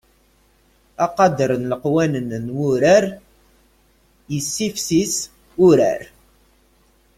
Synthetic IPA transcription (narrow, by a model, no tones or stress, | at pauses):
ɑqɑd̪əɾənləqwænənnwʊɾæɾ | jəsːifsis | ʊɾæ̰ɾ